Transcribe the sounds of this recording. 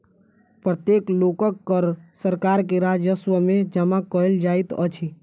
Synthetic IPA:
pɾət̪jeːkloːkəkːəɾsəɾkaːɾk̬eɾaːd͡ʒəswəmẽd͡ʒəmakəɪld͡ʒaːit̪ə̰t͡ʃʰi

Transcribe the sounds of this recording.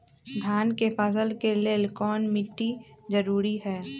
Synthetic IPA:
ɡʱaːnkepʰaːsəlkeleːlkɔːnmɪʈːizɐɾuːɾiɦɛː

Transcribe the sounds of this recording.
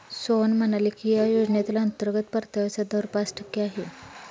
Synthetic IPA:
sonm̤ənalikijajod͡ʑɳjat̪ilaənt̪əɾɡət̪pəɾt̪aʋasad̪əʋɾpasʈʰəkːeaɦe

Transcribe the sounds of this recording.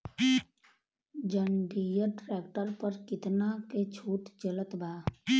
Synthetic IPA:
d͡ʒəɳɖijəʈɾeːk̚ʈəɾpəɾkɪt̪naket͡ʃʰuːt̪d͡ʒələt̪bʱaː

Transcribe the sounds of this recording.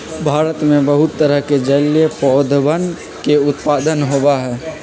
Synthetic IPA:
bʱaːɾət̪mẽbɐɦʊt̪ːəɾəɦked͡ʒəljepɔːd̪ʱbən | keʊt̪paːd̪ənɦobaɦɛː

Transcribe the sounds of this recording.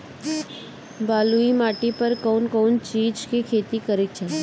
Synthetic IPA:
baːluimaːʈipəɾkoːnkoːnt͡ʃiːd͡ʒkikʰeːt̪ikəɾekt͡ʃʰe

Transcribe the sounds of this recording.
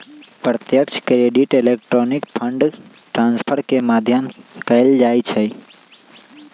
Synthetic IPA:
pɾət̪jəkʃʰkɾeɖiʈelek̚ʈɾoːnɪkpʰə̃ɳɖ | ʈɾãːnspʰəɾkemaːd̪ʱjəmkəɪld͡ʒaːit͡ʃʰe

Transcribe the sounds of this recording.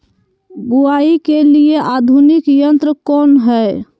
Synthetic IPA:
ɡuaikelieʔad̪ʱunikjənt̪ɾəkɔnɦə

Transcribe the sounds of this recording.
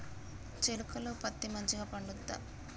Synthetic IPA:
t͡ʃelukɐloːpɐt̪ːimɐɲt͡ʃiɡaːpɐɳɖud̪ːa̰

